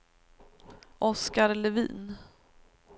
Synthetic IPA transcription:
ʔɔskaɾlɛvḭːn

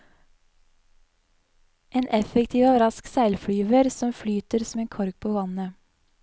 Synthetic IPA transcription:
ʔeːnʔɛfəkt̪ʰiːʋoːɾɑsksæɪlfɽyːʋəɾsɔmflyːt̪əɾsɔm̩eːŋkʰɔɾk̚pʰoːʋɑnə

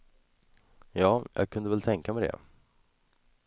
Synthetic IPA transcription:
jɑːjɑ̰ːɡ̚kʰɵnd̪əvɛlt̪ʰɛŋkamɛd̪ɛ̰

